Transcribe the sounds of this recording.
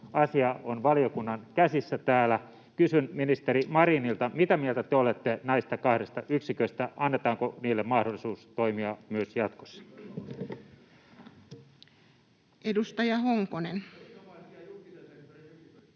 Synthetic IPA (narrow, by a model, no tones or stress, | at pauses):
ɑsiɑonʋɑliokunːɑnkæsisːæt̪æːlæ | kysynminist̪eɾimɑɾinilt̪ɑmit̪æmielt̪æt̪eolet̪ːenɑist̪ɑkɑhɾest̪ɑʔyksikøist̪æʔɑnːet̪ɑːŋkoniːlːemmɑhdolːˑisuːst̪oimiɑmyøsjɑt̪ko̥sːɑ̥ | edust̪ɑjɑhoŋkonen